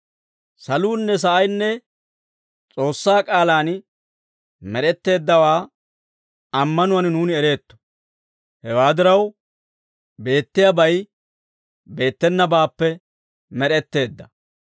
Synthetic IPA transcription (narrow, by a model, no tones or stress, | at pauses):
sɐluːnːɛs̬ɐʔɐjnːɛ | t͡sʼo̞ːsːaːkʼaːlaːn | mɛɾɛt̪ːe̞ːd̪ːɐwaː | ɐmːɐnʊwɐnnuːnɪɛɾe̞ːt̪ːɔ̥ | hɛwaːd̪ɪɾɐw | be̞ːt̪ːɪjɐbɐj | be̞ːt̪ːɛnːɐbaːpːɛ | mɛɾɛt̪ːe̞ːd̪ːɐ